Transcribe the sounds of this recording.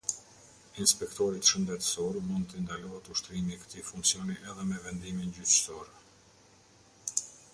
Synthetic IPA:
inspɛkt̪ɔɾit̪ʃənd̪ɛt̪əsɔɾmund̪t̪ənd̪alɔɦət̪uʃt̪ɾimikə̥t̪ifuŋksiɔniʔɛðɛmɛvɛnd̪imind͡ʑysɔɾɛ

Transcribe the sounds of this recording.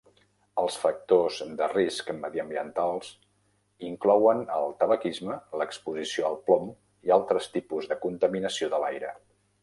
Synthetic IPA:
əlˠsfək̚t̪ozd̪əriskməðiəmbiənt̪alˠs | iŋklɔwənəlˠt̪əβəkizmələkspuzisioəlˠplɔm | ialˠt̪ɾəst̪ipuzðəkunt̪əminəsioðəlajɾə

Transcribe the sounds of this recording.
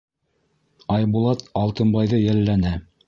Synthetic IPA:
ɑjbulˠɑt̪ɑlˠt̪ɤ̆nbɑjðɤjælːænæ

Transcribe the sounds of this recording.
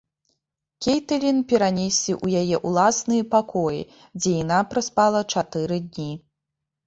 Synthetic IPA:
kʲejt̪ɐlʲinpʲɛɾanʲesʲlʲiʔujajɛʔulˠasnɨjɐpakɔjḭ | d͡zʲɛjanapɾaspalˠɐt͡ʂat̪ɨɾɨd̪ʲnʲi

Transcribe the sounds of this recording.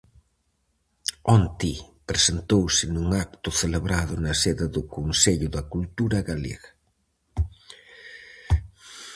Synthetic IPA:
ɔnt̪ipɾesent̪owsɪnuŋak̚t̪ʊθeleβɾaðʊnɐseðɪðʊkonseʎʊðɐkult̪uɾɐɣalḛɣɐ

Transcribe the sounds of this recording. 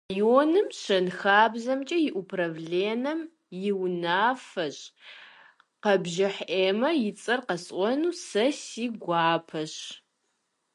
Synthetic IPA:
joːnɨmɕɐnxaːbzɐmt͡ʃʼɐjɪʔupʰrɐvɮeːnɐm | jɪwnaːfɐɕʼ | qɐbʒɪħeːmɐjɪt͡sʼɐrqɐsʔʼʷɔnuːsɐsiːɡʷɑːpʰɐɕ

